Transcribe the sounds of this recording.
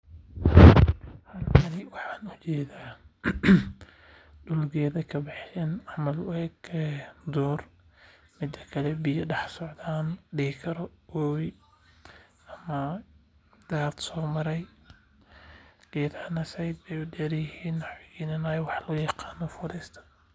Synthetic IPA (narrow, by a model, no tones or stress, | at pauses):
hɐlkʰɐnɪwɑħɑːnʊt͡ʃɛːðaː | ɖʊlɡɛːðɐkʰɐbɪħsɛnʕɑmɐlwɛːɡɛd̪uːr | mɪd̪ɐkʰɐlɛbɪjɐɖɑħsɔʕd̪aːnɖɪɪkʰɐɾɔwɔwj | ʔɐmɐ | d̪aːd̪sɔːmɐɾɛj | ɡɛːd̪ɐnɐsɛjd̪bɛjʊdɛːɾjɪhiːnwɑħwɪɡiːnɐnaːjwɑħlɔːjɑqɑːnɔfʊɾist̪ʰɐ̥